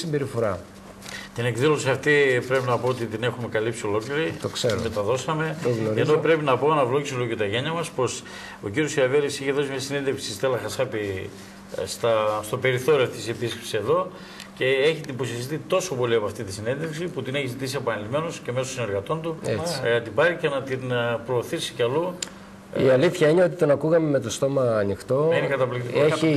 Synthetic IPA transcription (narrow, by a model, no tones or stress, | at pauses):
simbeɾifo̞ɾɐ | t̪ine̞kðilo̞siɐft̪ipɾe̞pinɐpo̞ot̪it̪ine̞xume̞kɐlipsio̞lo̞kliɾit̪okseɾomet̪ɐðo̞sɐme̞t̪oɣnoɾennopɾe̞pinɐpoɐnɐvlo̞ʝisiolojot̪ɐʝeɲɐmɐspo̞s | ociɾjosiɾɐveɾisiçeðo̞simiɐsinenðefksisist̪elɐxɐsɐpi | st̪ɐst̪ope̞ɾiθo̞ɾioɐft̪i̥sepiskepsise̞ðo̞ | ce̞eçid̪ibosest̪it̪o̞so̞po̞liɐpɐft̪it̪isine̞nðeksiput̪ine̞çizit̪isiepɐnilime̞no̞sce̞mesosineɾɣɐt̪o̞nt̪ṵt̪ibɐɾicenɐt̪inpɾo̞ːθisi̥cɐlu | iɐliθçɐine̞o̞t̪it̪o̞nɐkuɣɐme̞me̞t̪o̞st̪o̞mɐːnixt̪o̞ɐinekɐt̪ɐplikt̪ikoeçi